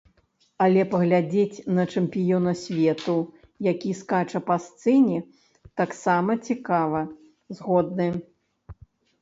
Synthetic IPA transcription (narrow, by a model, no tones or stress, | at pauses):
ɐlʲɛpɐɣlʲad͡zʲet͡sʲnɐt͡ʂɛmpʲijɔnɐsʲvʲɛt̪u | jakʲiskat͡ʂɐpast̪sɛnʲi | t̪aksamɐt͡sʲikavɐ | zɣɔd̪̚nɨ